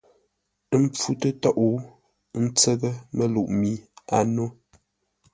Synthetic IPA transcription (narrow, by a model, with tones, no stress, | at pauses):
ə˦m˦p͡fu˦tə˦tɔ˦˨ʔu˨˦ | n̩˦t͡sə˦tə˦mə˦lu˨ʔmi˦a˨no˦